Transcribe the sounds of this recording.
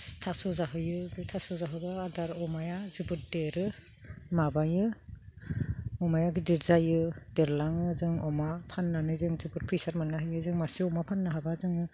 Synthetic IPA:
tʰasɔzaɦɯjɯɡɯtʰasɔzaɦɯbaːdaɾɔmajazibɯt̚deɾɯ | mabajɯ | ɔmajaɡidiɾzajɯdeɾlaŋɯzɯŋɔmapʰanːanɯzɯŋzibɯt̚pʰɯjsaɾmanːaɦɯjɯzɯŋmasiɔmapʰanːaɦabazɯŋɯ

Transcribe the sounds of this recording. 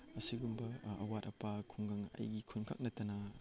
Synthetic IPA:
ɐsiɡumbɐɐwat̚ɐpakʰuŋɡaŋɐ̰jɡikʰunkʰa̰k̚nɐtɐnɐ

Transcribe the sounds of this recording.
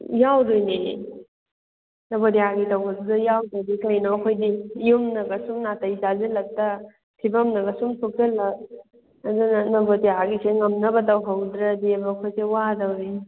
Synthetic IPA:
jawdojni | nɐbodiaɡitawbɐdudɐjawdadikajnaːkʰojdijumnɐɡɐsumnatɐizazelɐk̚tɐ | tʰibɐmnɐɡɐsumsʰuk̚telɐk̚ | ɐdunnɐbodiaɡiseŋɐmnɐbɐdawɦawdɾɐdiɐbɐːkʰojsewadawi

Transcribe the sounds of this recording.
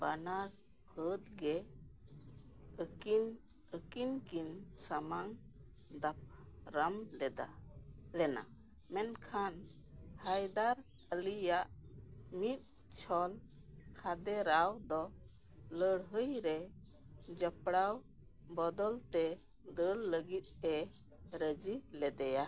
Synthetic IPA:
banaɾ | kʰət̪̚ɡɛ | əkin | əkinkinsamaŋ | d̪ap̚ɾəmlɛd̪a̰lɛna̰ | mɛnkʰan | hajd̪aɾ | əlijaʔmit̪̚ | t͡ʃʰɔl | kʰad̪ɛɾawd̪ɔ | ləɽɦəjɾɛ | d͡ʒəpɽaw | bɔd̪ɔlt̪ɛ | d̪əlːəɡit̪̚ɛ | ɾəd͡ʒilɛd̪ɛja

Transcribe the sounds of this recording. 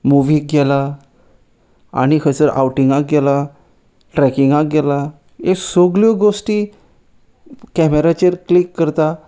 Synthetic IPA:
muʋik̚ɡɛla | a̰ñikʰəsəɾʔa̰wʈiŋɡak̚ɡɛla | ʈɾɛkiŋɡak̚ɡɛla | esoɡljɔɡosʈiː | kɛmeɾat͡ɕəɾklikːəɾt̪a

